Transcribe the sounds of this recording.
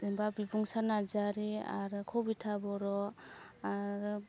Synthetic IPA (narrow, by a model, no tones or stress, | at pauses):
imbabibuŋsanazaɾia̰ɾɯkʰɔbitʰabɔɾɔaɾɯ